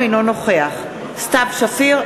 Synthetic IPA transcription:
inono̞χeaχ | st̪abʃafiʁ

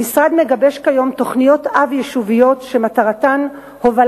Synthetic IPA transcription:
isʁad̪me̞ɡabe̞ʃkajo̞mt̪o̞χnijo̞t̪avjeʃuvijo̞tʃe̞mataʁatan | hoval

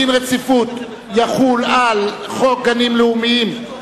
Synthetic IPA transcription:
inʁet͡sifut̪ | jaχulal | χok̚ɡanimleumiim

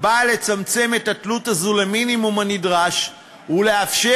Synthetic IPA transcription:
bale̞t͡samt͡se̞me̞tatlutazuleminimumanidʁaʃ | ule̞afʃe

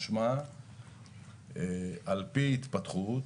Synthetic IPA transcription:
ʃma | alpiit̪pat̪χut

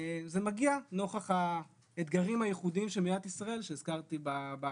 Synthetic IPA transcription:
zemaɡiano̞χaχa | et̪ɡaʁimhajeχudiimʃemijat̪isʁae̞lʃeiz̥kaʁt̪ibaba

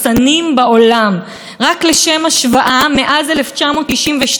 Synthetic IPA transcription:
t͡sanimbao̞lam | ʁakleʃe̞maʃvaʔameʔazeleft͡ʃamo̞t̪iʃimveʃ

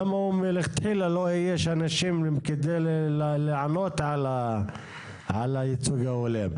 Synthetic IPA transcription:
amaumeleχt̪ħilalojeʃanaʃimked̪ejlleʕanot̪ʕala | ʕalajit͡suɡaolem

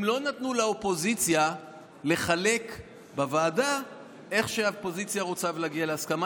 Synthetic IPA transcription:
mlo̞nat̪nulaopo̞zit͡sja | le̞χale̞k | bavaːda | e̞χʃeapo̞zit͡sjaʁot͡savleaɡialeaskama

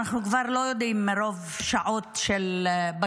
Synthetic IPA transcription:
aχnukvaʁlo̞jod̪imːeɾo̞v | ʃaʔo̞tʃelba

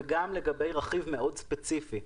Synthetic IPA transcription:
ɡamle̞ɡabe̞jʁaχivmeo̞dspet͡sifi

